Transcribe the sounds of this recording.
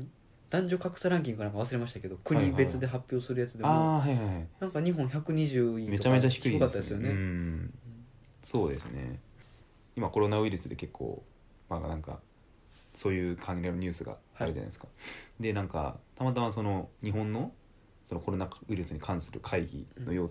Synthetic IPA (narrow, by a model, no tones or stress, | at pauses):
d̪̥ãɲ̟d͡ʑo̞kakɯ̟̥saɾãŋk̬ʲiŋɡɯ̟anãŋkaβas̬ɨɾe̞maɕit̪ake̞d̪o̞kɯ̟ɲʲibe̞t͡sɨd̪e̞ɦapʲjo̞ːsɨɾɯ̟jat͡sɨd̪e̞aːɦaiɦahainãŋkaɲ̟iɦõ̞ɰ̃çʲakɯ̟ɲ̟iʑɨːime̞tt͡ɕamet͡ɕaçi̥kɯiokat̪ːad̪esɨjo̞neɯ̃ɯ̃ | so̞ːd̪e̞sɨne̞̰ | imako̞ɾo̞naɯ̟iɾɯsɨd̪e̞̰ke̞kʰːo̰ː | manãŋka̰ | so̞ːjɯːkʰãŋɾenoɲ̟ɨːsɨɡa̰aaɾɯd͡ʑa̰n̰esɨ̥kḁd̪e̞nãŋka̰t̪amat̪amas̬o̞no̞ɲ̟iɦõ̞nːo̞ | sono̞ko̞ɾo̞naɯ̟iɾɯsɨɲ̟ikʰãɰ̃sɨɾɯ̟̰kʰaiɡʲḭno̞jo̞ː